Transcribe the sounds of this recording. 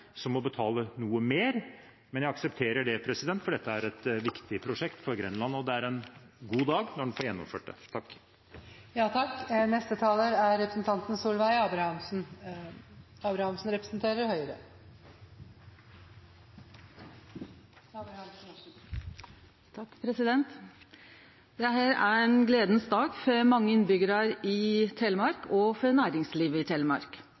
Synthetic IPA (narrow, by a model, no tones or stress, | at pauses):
sɔmɔbət̪ʰɑːlənuːəmeːɾ | mɛnjæɪɑksəpt̪ʰeːɾəɖɛpʰɾɛsɪd̪ɛnt̪fɔɖɛt̪ːəæɾɛt̪ʋɪkt̪ʰɪpʰɾʊʂɛkt̪fɔɾɡɾɛnlɑnɔd̪ɛæɾɛnɡuːd̪ɑːɡnɔɖnfɔːɾjɛnːɔ̰mføːʈ̚d̪ə̰t̪ʰɑkː | jɑːt̪ʰɑkːnɛst̪ət̪ʰɑːləɾæɾɾɛpɾəsn̩t̪ʰɑnt̪n̩suːlʋæɪɑːbɾɑhɑmsn̩ | ɑːbɾɑhɑmsn̩ɾɛpɾə̥sn̩t̪ʰeːɾəɾhœʏəɾə | ɑbɾhɑm | t̪ʰɑkːpʰɾɛsɪd̪ɛnt̪ | d̪ɛɦæːɾæɛnɡleːd̪ənsd̪ɑːɡfɔmɑŋːəɪnbʏɡəɾɑɾɪt̪ʰɛləmɑɾkʰɔfɔɾnæːɾɪŋsliːʋəɪt̪ʰɛləmɑ̰ɾk